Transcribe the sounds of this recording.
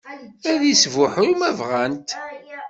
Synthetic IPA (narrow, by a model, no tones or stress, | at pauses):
æðisvʊħʊjumævʁænt̪